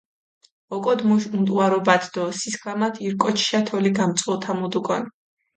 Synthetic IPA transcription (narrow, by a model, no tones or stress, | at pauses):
ɔkʼɔd̪mumt̪ʼwaɾɔbad̪ʰd̪̥ɔsiskʰlamat̪ʰiɾkʼɔt͡ʃʰʃat̪ʰɔliɡamt̪sʼɔt̪ʰamud̪ukʼɔn